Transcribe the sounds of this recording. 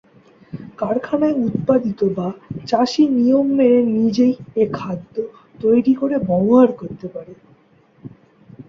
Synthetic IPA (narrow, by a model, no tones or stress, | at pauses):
kaɾkʰanaeud̪pad̪it̪obat͡ɕaʃinijomːeɾenid͡ʑejekʰad̪ːo | t̪ojɾikoɾebɔŋɦaɾkoɾt̪epaɾe